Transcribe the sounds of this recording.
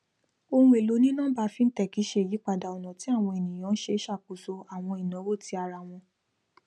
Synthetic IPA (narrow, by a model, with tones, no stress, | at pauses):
o˧hũ˦e˨lo˨˦nĩ˦nã˦ba˧˦fi˦n̩˦tɛ˦˨ki˨˦ʃe˧˦e˨ji˨˦k͡pa˦˨da˨ɔ˨nã˨ti˨˦a˦˨w̃ɔ̃˧e˨nĩ˨j̃ã˨˦n̩˦ʃe˧˦ʃa˦˨k͡pu˨so˧a˨w̃ɔ̃˧i˨nã˨˦wo˦˨ti˦a˧ɾa˧w̃ɔ̃˧